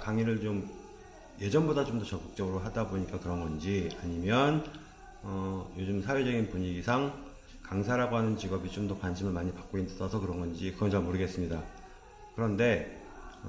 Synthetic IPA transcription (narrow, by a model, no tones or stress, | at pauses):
kaŋiɾɯɭt͡ɕom | je̞d͡ʑʌnbodat͡ɕomdʌt͡ɕʌk͈ɯk̚t͡ɕ͈ʌɡɯɾoɦadaboɲik͈akɯɾʌnɡʌnd͡ʑiaɲimjʌn | ʌjod͡ʑɯmsʰawe̞d͡ʑʌɡinpuɲiɡisʰaŋ | kaŋsʰaɾaɡoɦanɯnt͡ɕiɡʌbit͡ɕomdʌkwanɕʰimɯɭmaɲipak͈̚oinsʰʌsʰʌkɯɾʌnŋɡʌnd͡ʑikɯɡʌnd͡ʑʌmoɾɯɡe̞s͈ɯmɲida | kɯɾʌnde̞